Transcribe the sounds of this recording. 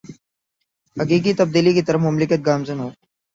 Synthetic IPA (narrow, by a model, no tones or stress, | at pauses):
hɐkiːkit̪ɐb̚d̪iːlikit̪əɾəfmʊmlɪkət̪̚ɡaːmzənɦoː